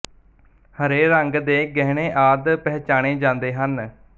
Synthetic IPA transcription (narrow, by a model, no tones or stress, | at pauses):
həɾeːɾəŋɡd̪eːɡɛɦɽeːʔaːd̪pɛːt͡ʃaːɽ̃eːd͡ʒãːnd̪eːɦən